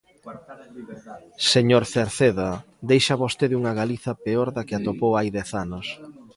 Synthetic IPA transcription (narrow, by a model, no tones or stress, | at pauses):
seɲoɾθeɾθeðɐ | d̪ejʃɐβost̪eðuŋɐɣaliθɐpeoɾðakɪat̪opowajðɛθanʊs